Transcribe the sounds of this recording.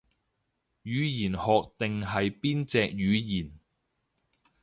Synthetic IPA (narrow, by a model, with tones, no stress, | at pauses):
jyː˨˧jiː˨˩nhɔː˨k̚t̪ɪ˨ŋɦɐ˨jpiː˥nt͡sɛː˧k̚jyː˨˧jiː˨˩n